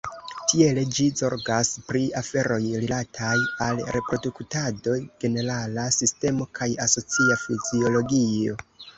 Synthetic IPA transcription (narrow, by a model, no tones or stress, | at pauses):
tʰie̞le̞d͡ʒizo̞ɾɡaspɾiafe̞ɾo̞jɾilatʰajalɾe̞pɾo̞duktado̞ɡ̥e̞ne̞ɾalasiste̞mo̞kʰajaso̞t͡siafizio̞lo̞ɡio̞